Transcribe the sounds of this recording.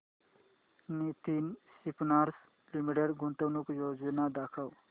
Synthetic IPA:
nit̪insipnaːɾs | limiʈeɖɡũnt̪əwnukjoːd͡ʒinad̪aːkʰaw

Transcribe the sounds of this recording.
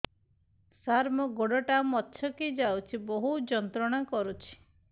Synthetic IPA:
saɾmɔɡɔɽɔʈamɔtːʃʰɔkid͡ʒawt͡ʃʰibɔɦud͡ʒɔnt̪ɾɔɽ̃akɔɾut͡ʃʰi̥

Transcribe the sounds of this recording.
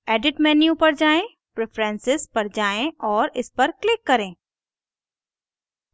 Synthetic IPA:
ɛːɖɪʈmɛːnjũpɐɾd͡ʒaːẽ | pɾepʰɾɛ̃nsɪspɐɾd͡ʒaːẽʔɔːɾɪspɐɾklɪkːɐɾẽː

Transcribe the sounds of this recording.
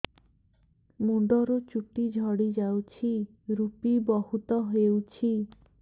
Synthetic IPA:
muɖɔɾut͡ʃuʈid͡ʒʱɔɽid͡ʒawt͡ʃʰi | ɾupibɔɦut̪ɔɦewt͡ʃʰi

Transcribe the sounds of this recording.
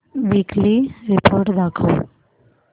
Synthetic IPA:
ʋikliɾɪpʰoːɾʈd̪aːkʰa̰ː

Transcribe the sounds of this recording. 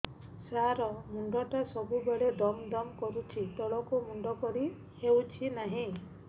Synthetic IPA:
saɾɔmuɳɖɔʈasɔbubeɭed̪ɔmd̪ɔmkɔɾut͡ʃʰit̪ɔɭɔkumuɳɖɔkɔɾi | hewt͡ʃʰinaɦĩ

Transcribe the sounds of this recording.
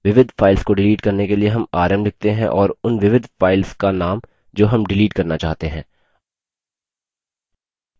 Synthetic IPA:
ʋɪʋɪd̪ʱfʰaːɪlskoɖɪliːʈkɐɾnekelieɦɐmaːɾəmlɪk̚ʰt̪eɦɛ̰̃ʔɔːɾʊnʋɪʋɪd̪ʱfaːɪlskanaːm | d͡ʒoːɦɐmɖɪliːʈkɐɾnat͡ʃaːɦt̪eɦɛ̃ː

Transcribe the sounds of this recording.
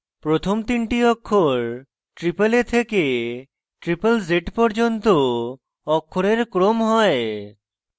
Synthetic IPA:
pɾot̪ʰomt̪iɳʈiɔkʰːoɾ | ʈɾipelet̪ʰeke | ʈɾipəlzeʈpɔɾd͡ʑont̪o | ɔkʰːoɾeɾkɾomɦɔe

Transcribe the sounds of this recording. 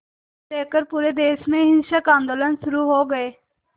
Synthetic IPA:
t̪eːkəɾpuːɾeːd̪eːsmẽːɦɪnʃakãːnd̪oːlənʃʊɾuːɦoːɡəeː

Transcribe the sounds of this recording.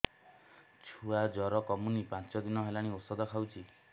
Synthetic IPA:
t͡ʃʰuad͡ʒɔɾɔkɔmunipãnt͡ʃɔd̪inɔɦelaɽ̃iosɔd̪ɔkʰawt͡ʃʰi

